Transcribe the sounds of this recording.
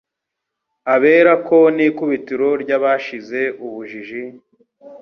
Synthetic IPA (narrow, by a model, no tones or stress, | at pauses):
aβe̞ːɾako̞niːkuβitiɾo̞ɾɟaβaːʃize̞uβuʒiʒi